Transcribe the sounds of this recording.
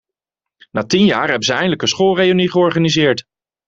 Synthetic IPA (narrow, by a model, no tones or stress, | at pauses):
naːtinjaːɹɦɛbəzəɛjndələkənsχolˠrejoniχəɔɹχanizɪːɹt